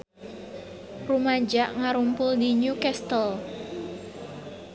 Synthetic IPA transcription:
rumad͡ʒaʔŋaɾumpʊld̪iɲukɛst̪ɔl

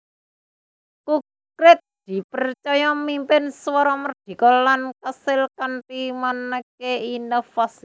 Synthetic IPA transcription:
kuk | ɾɪt̪̚d̪̥i̤pərt͡ʃɔjɔmimpɪnswɔɾɔmərd̪̥i̤kɔlankəsɪlkanpimanəkeinɔfasi

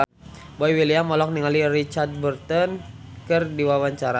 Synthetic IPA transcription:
bɔiwiliamɔlɔk̚niŋalirit͡ʃard̪̚bərt̪ɔnkərdiwawaɲt͡ʃaɾa

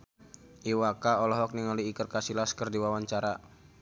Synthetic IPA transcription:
ʔiwakaɔlɔɦɔk̚niŋaliːkərkasilaskərdiwawaɲt͡ʃaɾa

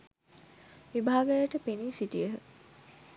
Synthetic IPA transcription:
ʋibʱaːɡəjəʈəpeniːsiʈiəɦə

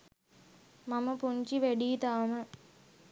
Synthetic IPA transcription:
maməpuɲt͡ʃiʋeɖiːt̪aːmə

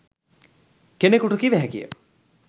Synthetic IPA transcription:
kenekuʈukiʋæɦɛkijə̰

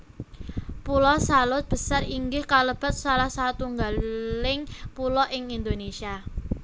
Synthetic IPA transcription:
pulɔsalʊt̪̚b̥ə̤sariŋɡɪhkaləb̥a̤t̪̚salahsat̪uŋɡalɪŋpulɔʔɪŋind̪onesia

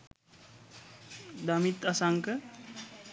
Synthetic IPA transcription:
d̪amit̪asaŋkə

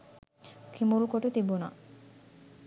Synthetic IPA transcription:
kʰimulkoʈet̪ibuna̰

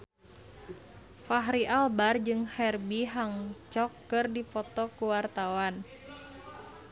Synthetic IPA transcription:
faɦɾiʔalbard͡ʒɨŋhɛrbiɦaŋt͡ʃɔkːɨrdipɔt̪ɔkuwart̪awan

